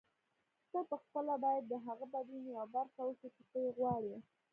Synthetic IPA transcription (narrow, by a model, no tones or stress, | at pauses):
xt̪apəxpəlabɑjad̪̚ːəɦaɣabad̪unjawbaɾxawəkit͡ʃɪt̪əjeɣwɑɽi